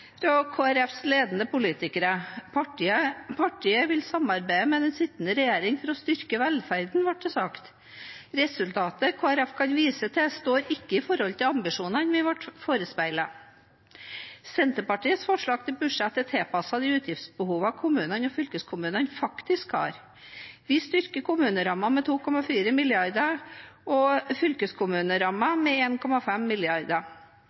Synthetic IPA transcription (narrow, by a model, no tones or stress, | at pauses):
ɾɔkʰoːæɾɛfsleːd̪nəpʊliːt̪ɪkəɾə | pʰɑʈʰiːəʋɪlsɑmɑɾbæɪəmɛd̪ɛnsɪt̪ːən̩əɾɛjeːɾɪŋfɔɾɔst̪ʏɾkəʋɛlfæɾd̪n̩ʋɑʈ̚d̪ɛsɑkt̪ | ɾɛsʉlt̪ʰɑːt̪əkʰoːæɾɛfkʰɑnʋiːsət̪ʰɛst̪oːɾɪkːəɪfɔɾhɔlt̪ɪlɑmbɪʂuːnənʋɪʋɑʈfoːɾəspæɪlə | sɛnt̪əpɑʈiːət̪sfɔʂɭɑːɡ̚t̪ʰɪlbʉʂɛt̪ːɛt̪ʰːeːpɑsɑd̪ɪʉːt̪ʰjɪft̪sbəhuːʋɑkʰʊmʉːnənɔfʏlkəskʰʊmʉːnənfɑkt̪ɪskhɑ̰ːɾ | ʋɪst̪ʏɾkəkʰʊmʉːnəɾɑmːɑmɛt̪ʰuːkʰɔmɑfiːɾəmɪljɑɾd̪əɔfʏlkəskʰʊmʉːnəɾɑmːɑmɛeːnkʰɔmɑfɛmːɪlɪɑɾd̪ə